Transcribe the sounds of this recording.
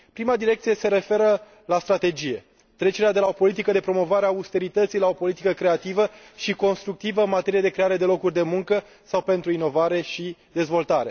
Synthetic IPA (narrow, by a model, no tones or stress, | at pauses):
pɾimad̪iɾe̞k̚t̪sije̞se̞ɾe̞fe̞ɾə | last̪ɾat̪e̞d͡ʒije̞ | t̪ɾe̞t͡ʃe̞ɾead̪e̞lao̞po̞lit̪̬ikəd̪e̞pɾo̞mo̞vaɾeaust̪e̞ɾit̪ət̪sijlao̞po̞lit̪ikəkɾe̞at̪ivə | ʃiko̞nst̪ɾuk̚t̪ivəɨnmat̪e̞ɾijed̪e̞kɾe̞aɾe̞d̪e̞lo̞kurʲd̪e̞muŋkə | sawpe̞nt̪ɾuino̞vaɾe̞ʃid̪e̞zvo̞lt̪aɾe̞